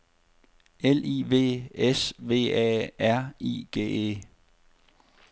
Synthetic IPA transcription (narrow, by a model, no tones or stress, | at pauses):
elḭːʋe̝̰ːesʋe̝̰ːɛ̰ːæɐ̰ḭːɡ̥e̝̰ːḛ